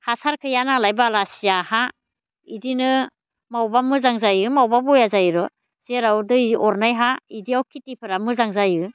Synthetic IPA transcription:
hasʰaɾkʰɯjanalajbalasijaha | idinɯ | mawbamɯzaŋzajɯmawbabɔjazajɾɔ | z̥eɾawdɯiɔɾnajɦaidiawkʰitipʰɯɾamɯzaŋzajɯ

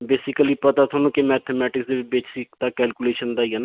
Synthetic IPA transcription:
beːsɪkəliːpət̪aːt̪ʰoːnũːkɪmɛːt̪ʰemɛːʈɪksd̪eːbeːt͡ʃsɪkd̪aːkɛːlkuleːʃənd̪aːiːɦana

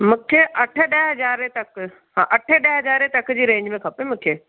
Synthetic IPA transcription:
mʊ̃kʰeʔɐʈʰəɗɐɦɐzaːɾet̪ɐk | ɦãːʔɐʈʰeɗɐɦɐd͡ʑaːɾet̪ɐkd͡ʑiːɾẽːɲd͡ʑmẽkʰɐpemʊ̃kʰeː

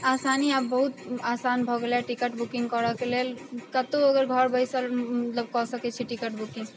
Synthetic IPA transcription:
asaniapbɔɦut̪asanbʱɔɡlaʈikəʈbukiŋɡkɔɾɔkelelkət̪oəɡəɾɡʱɔɾbəɪsəlmət̪ləbkɔsəkɛt͡ʃʰiʈikəʈbukĩŋɡ

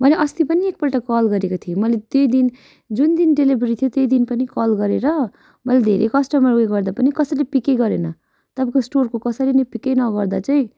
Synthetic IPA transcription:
bʌleʔʌst̪ipʌniek̚pʌʈakʌlɡʌɾekot̪ʰijomʌlet̪ejd̪in | d͡zund̪inɖelibɾit̪ʰijot̪ejd̪inpʌnikʌlɡʌɾeɾʌ | mʌlad̪ʱḛɾʔekʌsʈʌmʌreɡʌɾd̪apʌnikʌsʌlepikeɡʌɾenʌ | t̪ʌpãkosʈorkokʌsʌɾinʌjpikejnʌɡʌɾd̪at͡saĩ

